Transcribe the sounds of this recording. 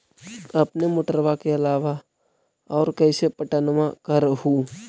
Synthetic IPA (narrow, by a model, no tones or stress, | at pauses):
ɐpnemʊʈəɾʋakeɐlaːʋa | ɔːɾkɛɪsepəʈənmãkəɾhu